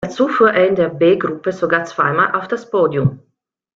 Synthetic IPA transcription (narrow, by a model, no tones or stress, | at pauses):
d̥aɐt͡suːfuːɐʔeːɐɪndeːɐbeːɡʁupəzoɡaːɐt͡sv̥aɪmaːlʔa̰ʊfd̥aspoːdiʊm